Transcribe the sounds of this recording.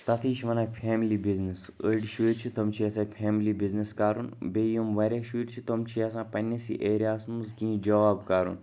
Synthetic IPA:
t̪ɐt̪ʰiːʃʋɐnaːpʰeːmilibiznisəɖʃuɾʲt͡ʃʰit̪omt͡ʃʰiɐsãːpʰeːmilibizniskaːɾunbʲeːjumʋɐɾʲaʃuɾʲt͡ʃʰit̪omt͡ʃʰiɐsãːpɐnʲesḭʔeːɾjaːsmuskĩːd͡ʒɐʋaːbkaːɾṵn

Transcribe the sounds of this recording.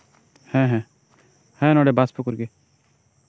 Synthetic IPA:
hɛ̃ːɦɛ̃ | hɛ̃ːnɔɽebaspʊkʊɾɡeː

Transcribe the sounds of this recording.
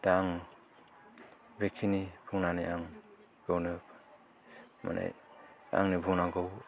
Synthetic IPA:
d̥aːŋ | bekʰinibʰuŋnaniaŋ | ɡ̥ɯwnɯ | ma̰nʔḛa̰ŋnibuŋnaŋɡɯw

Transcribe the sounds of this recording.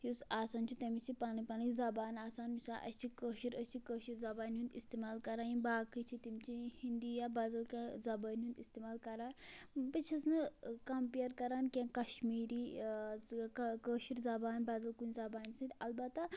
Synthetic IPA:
hisaːsaːnt͡ʃʰut̪ɐmit͡ʃʰipaːnɐpanɐzɐbaːnaːsaːnmisaːʔɐ̰sʲt͡ʃʰikəːʃiɾəst͡ʃʰikəːʃiɾzɐbaːnɦũnd̪ist̪emaːlkɐɾaːjĩnbaːkit͡ʃʰit̪imt͡ʃʰihind̪ijabɐd̪ɐlkãzɐbəːnɦũnd̪ist̪eːmaːlkɐɾaːbɐt͡ʃʰɐsnɨkɐmpiɐɾkɐɾaːnkʲẽnkɐʃmiːɾiː | kɐkəːʃiɾzɐbaːnbɐd̪ɐlkunzɐbaːnsɨ̃nt̪ʲɐlbɐt̪ːɐ

